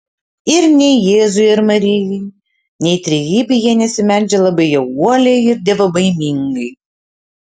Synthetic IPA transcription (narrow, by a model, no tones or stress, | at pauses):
ɪɾnʲɛɪjeːzʊɪɪɾmɐɾʲɪjɛɪ | nʲɛɪt̪ʲɾʲɛjiːbʲɛjiɛnʲɛsʲɪmʲɛnʲd͡ʒʲɛlˠɐbɐɪjɛuɔlʲɛɪɪɾd̪ʲɛːʋɐbɐɪmʲiŋɡɐɪ